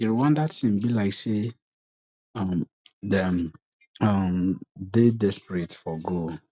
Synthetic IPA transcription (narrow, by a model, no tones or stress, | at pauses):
iɾiwãndasĩmbilaɪkse | am | dɛm | amdedɛspɹetfɔɡol